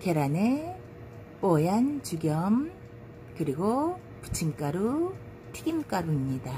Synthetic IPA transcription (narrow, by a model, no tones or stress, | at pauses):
keɾane | p͈ojant͡ɕuɡjʌm | kɯɾiɡo | pu̥t͡ɕʰimk͈aɾu | tʰiɡimk͈aɾuimɲida